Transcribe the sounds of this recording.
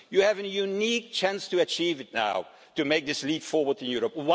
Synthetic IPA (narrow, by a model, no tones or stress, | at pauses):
jɨɨvɨ̃njunik̚t͡ʃʰæ̃nstɨɨt͡ʃʰivɨtⁿna̰ʊ | tɨmeɪk̚ðɪslipfɔɹwə˞dɨ̃njuɹəp̚wa